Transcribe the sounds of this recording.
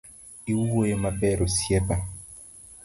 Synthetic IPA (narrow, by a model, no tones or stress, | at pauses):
iwuojemabɛɾosiɛba